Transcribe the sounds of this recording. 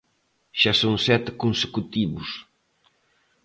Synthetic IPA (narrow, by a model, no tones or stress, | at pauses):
ʃasõŋsɛt̪ɪkonse̥kut̪iβʊs